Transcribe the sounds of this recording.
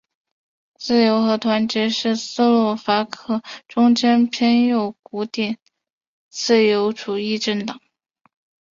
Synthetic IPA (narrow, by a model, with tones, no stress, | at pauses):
t͡sɹ̩˥˩jo˧˥ʊxɤ˧˥t̪ʰwa˧˥nt͡ɕɛ˧˥ʂɻ̩˥˩sɹ̩˥˧lwɔ˥˩fa˧˥kʰɤ˥˩ʈ͡ʂʊ˥ŋt͡ɕɛ˥npʰɛ˥njo˥˩ʊku˧˥t̪jɛ˥˩n | t͡sɹ̩˥˩jo˧˥ʊʈ͡ʂu˨˩i˥˧ʈ͡ʂə˥˩nt̪ɑ˨˩˦ŋ